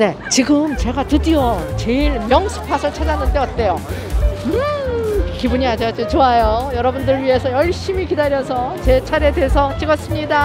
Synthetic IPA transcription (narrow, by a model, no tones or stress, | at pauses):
ne̞ | t͡ɕiɡɯmt͡ɕe̞ɡatɯdiʌt͡ɕe̞iɭmjʌŋsʰɯ̥pʰasʰʌɭt͡ɕʰalːanɯnde̞ʌt̚t͈e̞jo | ɯ | kibuɲiad͡ʑiad͡ʑot͡ɕoajojʌɾʌbundɯɾɥiɦe̞sʰʌjʌɭɕ͈imikidaɾjʌsʰʌt͡ɕe̞t͡ɕʰaɾe̞de̞sʰʌt͡ɕʰiɡʌs͈ɯmɲida